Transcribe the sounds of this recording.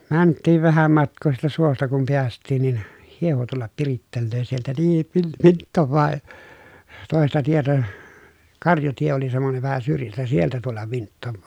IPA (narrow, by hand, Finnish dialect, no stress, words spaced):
ʋɑn mæntːiːʋ ʋæhæm mɑtkˑoː siːtæ suostɑ kum piæstˑiːn nin hieho tulːɑp piritːelːøː sieltæ niːn ʋil ʋintːoʋːɑː toˑestɑ tietæ kɑrjɑtie oli semːoneʋ ʋæhæ syrjæstæ sieltæ tulːɑʋ ʋintːoʋːɑː